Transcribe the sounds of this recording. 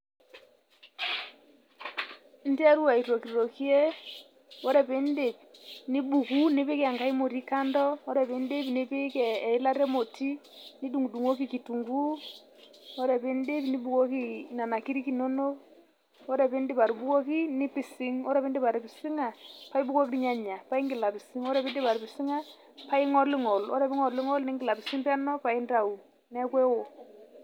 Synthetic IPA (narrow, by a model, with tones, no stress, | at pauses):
n̩˦ti˦a˦ɾu˦a˨i˨o˨ki˨ɾɾɔ˨ki˦ɛ˦ | ɔ˦ɾɛ˦˨pe˦nde˨pni˦bu˨ku˦ne˦βe˦kɛ˦a˨ŋɡa˦i˦mo˨ɾi˦ka˦ndɔ˦ɔ˦ɾɛ˨βe˦nde˦pnɪ˦pe˦kɛː˨i˦la˦ɾɛ˦mo˨tʰi˦ni˦du˨ŋɡu˨du˨ŋo˦ki˦ki˨tu˨ŋɡu˦ | ɔ˦ɾɛ˨pɪ˦ndɪ˦pni˦bu˨ko˦ki˦˨na˨na˨ki˦ɾi˦ki˨no˦no˦ | ɔ˦ɾɛ˨pɪ˦ndɪ˦pa˨ɾbu˦ko˦ki˦nɪ˦pɪ˨sɪ˦ŋɔ˦ɾɛ˨pɪ˦ndɪ˦pa˨ɾpɪ˨sɪ˦ŋa˨pa˦i˦bu˦ko˦ki˦ɾi˦ɲa˦ɲa˨pa˦i˦ŋɡɪ˨la˨pɪ˨sɪ˦ŋɔ˦ɾɛ˨pɪ˦ndɪ˦pa˨ɾpɪ˨sɪ˦ŋa˦ | pa˦i˦ŋɔ˦lɪ˦ŋɔ˨lɔ̰˦ɾɛ˨pɪ˦ŋɔ˨lɪ˦ŋɔ˦lnɪ˦ŋɡɪ˨la˨bɪ˨sɪ˦mpa˦nɔ˦pa˨i˦nda˨u˨ | nɛ˦kwɛ˦wo˨